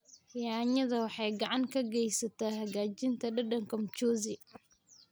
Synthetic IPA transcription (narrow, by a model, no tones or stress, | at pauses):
jaːɲɐðɐwɑħɑjɡɐʕaŋkʰɐɡɛjsɐt̪ɐhɐɡaːd͡ʒɪnt̪ʰɐɗɐɗɐŋkɔmt͡ʃɔːzi